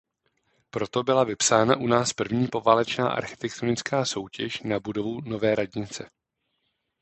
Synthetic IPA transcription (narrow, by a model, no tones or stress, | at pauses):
pɾo̞t̪o̞bɪlavɪpsaːnaʔunaːspr̩vɲiːpo̞vaːlɛt͡ʃna̰ːʔa̰ɾxɪ̥t̪ɛk̚t̪onɪt͡skaːso̞wcɛʃnabudo̞vuno̞vɛːɾaɟɲɪt͡sɛ